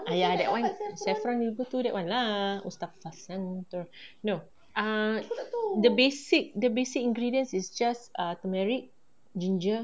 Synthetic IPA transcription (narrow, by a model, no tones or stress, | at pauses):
ajadɛ̰ʔwãnsafɾãnivət̪udɛʔwʔãnlaṵst̪affasãnt̪ɔɹno | ʔa | dəbesik̚dəbesikĩŋɡɹidiə̃nsisd͡ʒasat̪əmɛɹik̚ | d͡ʒĩnd͡ʒə